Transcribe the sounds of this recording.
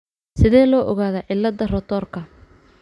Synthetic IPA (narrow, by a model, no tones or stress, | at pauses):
sɪðɛːlɔːʔɔɣaːðɐːʕɪlːɐd̪ɐrɔt̪ʰɔːrkʰɐ